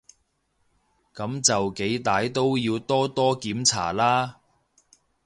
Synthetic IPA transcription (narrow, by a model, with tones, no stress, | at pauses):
kɐ˨˧˥mt͡sɐ˨wke˨˥jt̪aː˨˧jt̪o˥wjiː˧wt̪ɔː˥t̪ɔː˥kiː˨˥mt͡sʰa̰ː˨˩laː˥